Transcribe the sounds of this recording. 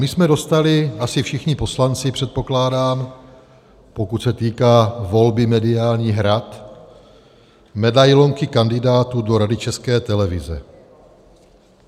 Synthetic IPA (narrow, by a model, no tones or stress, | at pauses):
mɪsmɛdo̞st̪alɪasɪfʃɪxɲɪpo̞slant͡sɪpr̥ɛt̪̚po̞klaːdaːm | po̞kut̪sɛt̪iːkaːvo̞lbɪmɛdɪaːlɲiːɦɾat̪ | mɛdajlo̞ŋkɪkandɪdaːt̪uːdo̞ɾadɪt͡ʃɛskɛːt̪ɛlɛvɪzɛ̰